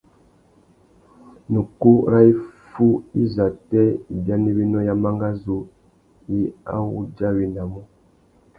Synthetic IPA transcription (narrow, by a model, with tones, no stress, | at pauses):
nu˨ku˦ɾa˦i˦fu˦i˦za˨tɛ˦i˨bja˦ne˦bi˦nɔ˦ja˦ma˦ŋɡa˦zo˨ | ji˦a̰˦wṵ˦d͡ʒa˦wi˨na˨mɔ˦